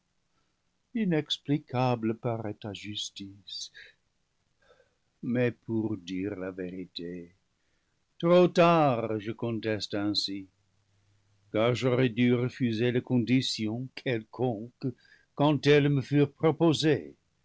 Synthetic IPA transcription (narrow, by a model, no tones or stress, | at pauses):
inɛksplikabləpaʁɛtaʒystis | mɛpʰuʁdiʁlaveʁite | tʁotaʁʁʒəkɔ̃tɛstɛ̃si | kaʁʒoʁɛdyʁəfyzelekɔ̃disjɔ̃kʰɛlkʰɔ̃k | kːɑ̃tɛlməfyʁpʁopoze